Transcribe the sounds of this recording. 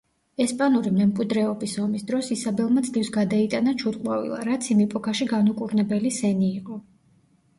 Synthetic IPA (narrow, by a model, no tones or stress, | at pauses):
ɛspʼanuɾimɛmkʼwid̪ɾɛɔbisɔmisd̪ɾɔsisabɛlˠmad̪zlifsɡad̪ait̪ʼanat͡ʃʰut̪kʼwa̰vḭlˠa̰ɾat̪sʰimipʼɔkʰaʃiɡanukʼuɾnɛbɛlisɛniːqʼɔ